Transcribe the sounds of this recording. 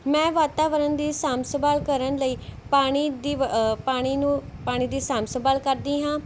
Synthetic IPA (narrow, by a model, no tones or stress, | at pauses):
mɛ̃ːʋaːt̪aːʋəɾənd̪iːsaːmsəbaːlkəɾənləiːpaːɽ̃iːd̪iːpaːɽ̃iːnũːpaːɽ̃iːd̪iːsaːmsəbaːlkəɾd̪iːɦãː